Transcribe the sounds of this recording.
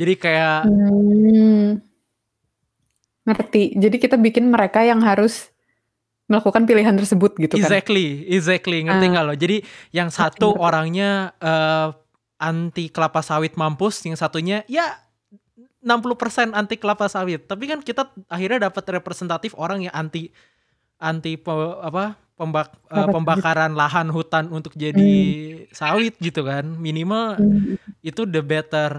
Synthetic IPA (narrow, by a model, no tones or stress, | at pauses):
d͡ʒadikaja | ŋərt̪id͡ʒadikit̪abikɪnməɾekajaŋɦaɾʊs | məlakukanpiliɦant̪ərsəbʊt̪̚ɡit̪uɡzɛk̚liɛɡzɛk̚liŋərt̪iŋɡalod͡ʒadijaŋsat̪uoɾaŋɲaə | ant̪ikəlapasawɪt̪̚mampʊsjaŋsat̪uɲaija | nampuluhpərsɛnant̪ikəlapasawɪt̪ːap̬ikankit̪aaxirɲadapət̪repɾesɛnt̪at̪ɪfoɾaŋjaŋʔant̪i | ʔant̪ipəapa | pəmbaəpəmbakaɾanlaɦanɦut̪anunt̪ʊk̚d͡ʒadisawɪt̪̚ɡit̪ukanminimal | it̪udəbet̪ər